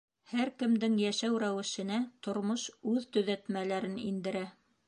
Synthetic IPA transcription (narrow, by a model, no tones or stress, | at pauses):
hæɾkɘ̆md̪ɘŋjæʃæwɾæwɘ̆ʃɘ̆næt̪ŏɾmoʃʉðt̪ɵ̆ðæt̪mælæɾɘnḭnd̪ɘ̆ɾæ